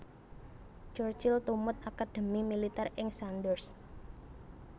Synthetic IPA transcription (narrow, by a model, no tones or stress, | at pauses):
t͡ʃɔrt͡ʃɪlt̪umʊt̪̚akad̥e̤mimilit̪ɛrɪŋsand̪ərs